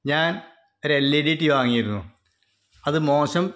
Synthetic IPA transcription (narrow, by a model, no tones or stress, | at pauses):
ɲaːn | oɾelːiɽijʈːiʋaːŋːijiɾunːu | ɐðɨmo̞ːʂɐm